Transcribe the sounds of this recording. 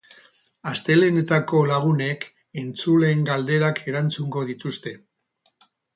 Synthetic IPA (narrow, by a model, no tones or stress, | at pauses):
ast̪e̞lene̞t̪ako̞laɣ̞une̞k | e̞nt͡sule̞ŋɡald̪e̞ɾakʰe̞ɾant͡suŋɡo̞ð̞it̪ust̪e̞